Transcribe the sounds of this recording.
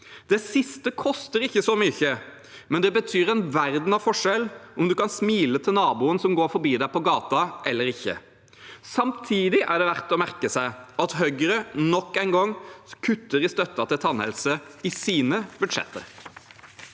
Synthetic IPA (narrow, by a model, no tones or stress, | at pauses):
d̪̥ɛsɪst̪əkʰɔst̪əɾɪçːəsɔmyçə | mɛnd̪ɛbət̪ʰyːɾɛnʋæɾd̪n̩ɑʋfɔʂɛlɔmd̪ʉkɑnsmiːlət̪ʰɪlnɑːbuːənsɔmɡoːɾfɔɾbiːd̪æɪpɔɡɑːt̪ɑʔɛlːəɾɪçːə̰ | sɑmt̪ʰiːd̪ɪʔæɖɛʋæɾt̪ɔmæɾkəsæɪɑt̪ɦœɡəɾənɔkːæɪnɡɔŋːkʰʉt̪ːəɾɪst̪œt̪ːɑt̪ɪlt̪ʰɑnhɛ̰lsəɪsiːnəbʉd̪ʂɛ̰t̪ːə̰ɾ